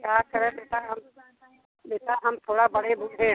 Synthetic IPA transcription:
kjaːkəɾẽbeːt̪aɦɐm | beːt̪aɦɐmt̪ʰoːɽabɐɽebʱuːʈẽː

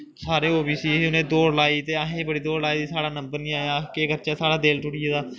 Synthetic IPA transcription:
saːɾeːoːbiːsiːʊnẽːd̪oːɾlaːiːt̪eːaːɦẽːbəɽiːd̪oːɾlaːiːd̪iːsaːɽaːnəmbəɾnĩːaːakeːkəɾt͡ʃaːsaːɽaːd̪eːlʈʊɽɪːeːd̪aː

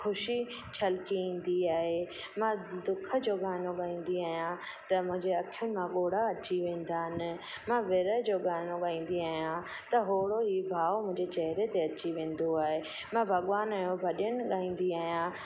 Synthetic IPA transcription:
kʰʊʃi | t͡ɕʰɐlkiĩːn̆d̪iaːɦe | mãd̪ʊkʰə̆d͡ʑoːɡaːnõɠaːĩːn̆d̪iaːɦijã | t̪ɐmʊ̃ɦɪ̃ɲd͡ʑeɐkʰjʊnɪ̆mãɠoːɽ̤aɐt͡ɕiʋẽːn̆d̪aːnɪ̆ | mãʋɪɾəd͡ʑoːɠaːnoɠaːĩːn̆d̪iaːɦijã | t̪ɐɦoːɽoɦibʱaːʋmʊ̃ɦɪ̃ɲd͡ʑet͡ɕɛɦɪɾet̪eɐt͡ɕiʋẽːn̆d̪oaːɦe | mãbʱɐɠʋaːnaːjõbʱɐɗənɪ̆ɠaːĩːn̆d̪iaːɦijã

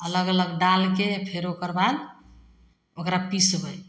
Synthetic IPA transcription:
ələɡələɡɖalkepʰeɾokəɾbad̪ | okɾapisɦoj

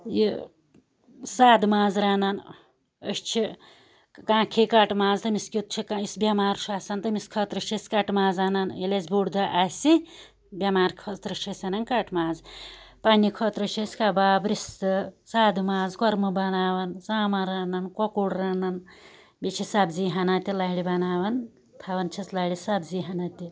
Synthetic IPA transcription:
jḭ | saːd̪maːzɾaːnɐn | ə̰st͡ʃʰi | kãːkʰikɐʈmaːzt̪ɐmiskʲit̪̚t͡ʃʰikaisbʲɐmaːɾʃaːsɐnt̪ɨmiskʰɐt̪ɾɐʃʰisʲkɐʈmaːzanɐnjilʲezbuɽd̪ɐʔasʲi | bʲjɐmaːɾkʰɐt̪ɾɐʃʰɐsʲɐnɐnkɐʈmaːzpanikʰoːt̪ɾɐʃesʲkabaːbɾist̪ɨsaːd̪maːzkoɾmɨbɐnaːʋɐnzaːmɐɾaːnɐnkokuɽɾaːnɐn | bit͡ʃʰisɐbziːɦɐnat̪ʲilɐɦiɽibɐnaːʋɐn | t̪ʰaʋɐnt͡ʃʰɐslaɽisɐbziːɦɐnat̪ʲi

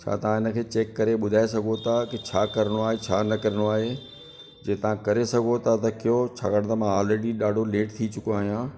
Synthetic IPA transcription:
t͡ɕʰa̰ːt̪ɐʋ̤ãɪnə̆kʰeːt͡ɕeːkːɐɾeɓʊd̪ʱaːesɐɡʱot̪ʰakɪt͡ɕʰaːkɐɾəɽ̃oaːɦet͡ɕʰaːnɐkɐɾəɽ̃oaːɦe | d͡ʑẽːt̪ɐʋ̤ãkɐɾesɐɡʱot̪ʰat̪ɐkɪjot͡ɕʰa̰ːkəɽ̃t̪ɐmãɔːlɾeːɖiɗaːɖʱoleːʈt̪ʰit͡ɕʊkoaːɦijãː

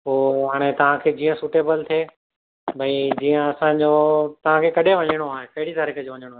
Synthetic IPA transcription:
poːɦaːɽ̃et̪ɐʋ̤ãkʰeːd͡ʑiːə̃suːʈeːbəlt̪ʰeː | bʱɐ̃id͡ʑiːə̃ɐsãɲd͡ʑot̪ɐʋ̤ãkʰeːkɐɗʱeʋɐɲəɽ̃oaːɦekɐɦɪɽit̪aɾikəd͡ʑoʋɐɲəɽ̃oaːɦe

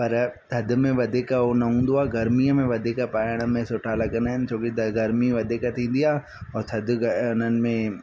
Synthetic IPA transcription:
pɐɾt̪ʰɐd̪ʱmẽʋɐd̪ʱekaɦonɐɦũːnd̪oaːɡɐɾmiəmẽʋɐd̪ʱekapaːɪɽ̃̆mẽsʊʈʰalɐɡənd̪aːɦɪnɪ̆t͡ɕʰoːkid̪ɐɡɐɾmiʋɐd̪ʱekat̪ʰĩːn̆d̪ijaː | ɔːɾt̪ʰɐd̪ʱɡɐʊn̤ənɪ̆mẽ

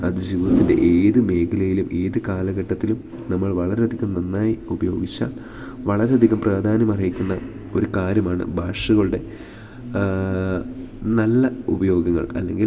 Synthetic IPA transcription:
ɐðɨd͡ʑiːʋɐðɐt̪ːinde̞̰ʔeːðɨme̞ːkʰɐlɐjilumʔe̞ːðɨkaːlɐɣɐʈːɐt̪ːilum | nɐmːɐɭʋɐɭɐɾeɐd̪ʱiɣɐmnenːaːjiubɐjo̞̰ːɡit͡ɕːa̰ːl | ʋɐɭɐɾeɐd̪ʱiɣɐmpraːd̪ʱaːnɐmɐrijikʲːunːɐ | o̞ɾukaːɾjɐmaːɳɨ̰bʱaːʂɐɣɐɭuɽe̞ | nɐlːɐubɐjo̞ːɡɐŋːɐ̰ɭɐ̰lːe̞ŋɡil

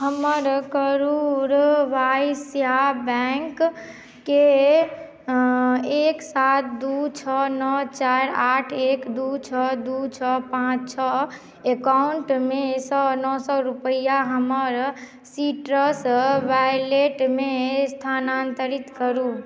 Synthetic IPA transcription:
ɦəməɾkəɾuɾʋasjabɛŋkː | e | eksat̪̚d̪ut͡ʃʰɔnɔt͡ʃaɾaʈʰekd̪ut͡ʃʰɔd̪ut͡ʃʰɔpãt͡ʃt͡ʃʰɔ | ekauɳʈmesɔnɔsɔɾupəjaɦəməɾ | siʈɾəsʋajleʈmest̪ʰanant̪əɾit̪kəɾu

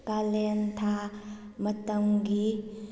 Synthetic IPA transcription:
kalɛnt̪ʰa | mɐt̪ɐmɡi

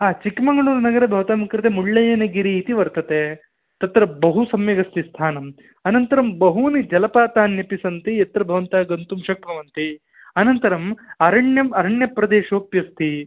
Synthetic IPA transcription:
ɦaːt͡ʃikmɐŋɡɐɭuːɾunɐɡɐɾɐbʱɐʋɐt̪aːmɐkɾɐt̪emuɭːɐjɐnɐɡiɾiːt̪iʋɐɾt̪ɐt̪e | t̪ɐt̪ɾɐbɐɦusɐmjɐɡɐst̪ist̪ʰaːnɐm | ɐnɐnt̪ɐɾɐmbɐɦunid͡ʒɐlɐpaːt̪aːnjɐpisɐnt̪iɐt̪ɾɐbʱɐʋɐnt̪aːɡɐnt̪umʃɐkɾɐʋɐnt̪i | ɐnɐnt̪ɐɾɐmɐɾɐɳjɐmɐɾɐɳjɐpɾɐd̪eːʃoːpjɐst̪ʰi

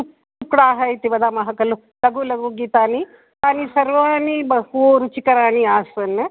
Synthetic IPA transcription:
u | ukɽaːɦɐjt̪ibɐd̪aːmɐɦɐkɐlu | lɐɡulɐɡuːɡit̪aːni | t̪aːnisɐɾʋaːnibɐhuɾut͡ʃikɐɾaːniaːsɐn

